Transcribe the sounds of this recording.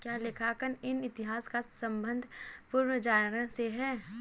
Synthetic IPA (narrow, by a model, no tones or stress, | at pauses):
kjaːlɪkʰaːkənɪnɪt̪ɪɦaːskasə̃mbə̃nd̪ʱpʊɾwəd͡ʒaːɾə̃ɦseɦɛː